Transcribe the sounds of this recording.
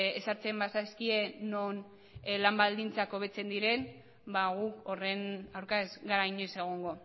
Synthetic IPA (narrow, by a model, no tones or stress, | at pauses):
esaɾt͡se̞mbasaskie̞non | lambald̪int͡sako̞βe̞t͡se̞nd̪iɾe̞n | baɣuko̞re̞nawɾkazɡaɾajɲese̞ɣ̞oŋɡo̞